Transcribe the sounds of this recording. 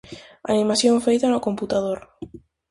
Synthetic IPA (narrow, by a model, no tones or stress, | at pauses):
a̰nimasjõɱfejt̪anokõmput̪að̞oɾ